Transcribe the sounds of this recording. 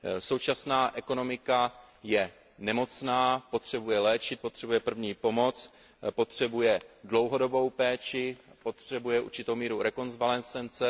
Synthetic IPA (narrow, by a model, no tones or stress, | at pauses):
so̞wt͡ʃasnaːʔɛko̞no̞mɪka | jɛ | nɛmo̞t͡snaːpo̞t̪r̝̥ɛbujɛlɛːt͡ʃɪt̪̚po̞t̪r̥ɛbujɛpr̩vɲiːpo̞mo̞t͡s | po̞t̪r̝̥ɛbujɛdlo̞wɦo̞do̞bo̞wpɛːt͡ʃɪpo̞t̪r̝̥ɛbujɛʔṵɾt͡ʃɪt̪owmiːɾuɾɛko̞nzvalɛnt͡sɛnt͡sɛ